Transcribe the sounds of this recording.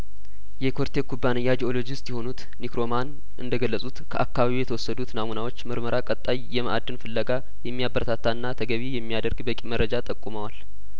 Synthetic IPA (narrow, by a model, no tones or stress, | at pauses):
jɛkʰo̞ɾt̪ʰekʰubːanəjːad͡ʒio̞lo̞d͡ʒɪst̪jɛho̞nut̪ | nikɾo̞man | ʔɨ̰nd̪əɡəlːəsʼut̪kʰəʔakːaβaβijɛt̪ʰəwɔsːəd̪ut̪namunawo̞t͡ʃːmɨɾməɾakʼət̪ʼːajːɛməʔad̪ːɨnfɨlːəɡa | jɛmːijabəɾət̪ʰat̪ʰːanːat̪ʰəɡəβijɛmːijad̪əɾɡbəkʼimərːəd͡ʒat̪ʼəkʼːuməwal